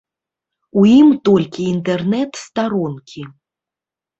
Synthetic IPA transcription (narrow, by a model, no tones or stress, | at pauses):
ujimt̪ɔlʲkʲiːnt̪ɛrnɛt̪st̪aɾɔnkʲi